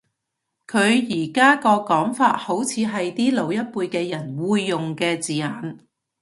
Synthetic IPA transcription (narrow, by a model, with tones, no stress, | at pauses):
kʰɵ˨˧ɥjiː˨˩kaː˥kɔː˧kɔː˨˥ŋfaː˧t̚ho˨˥wt͡sʰiː˨˧ɦɐ˨jt̪iː˥lo˨˧wjɐ˥t̚puː˧jkɛː˧jɐ˨˩nwuː˨˧jːʊ˨ŋkɛː˧t͡siː˨˧aː˨˥n